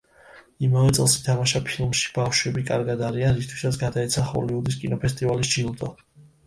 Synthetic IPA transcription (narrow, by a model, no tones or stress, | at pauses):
imavɛt̪sʼɛlˠsi̥t̪ʰamaʃapʰilˠmʃi̥b̥afʃwɛbikʼa̰ɾɡad̪aɾianɾist̪ʰwi̥sat̪sɡad̪aɛt̪sʰaχɔ̰liud̪iskʼinɔpʰɛst̪ʼivalisd͡ʒilˠd̪ʼɔ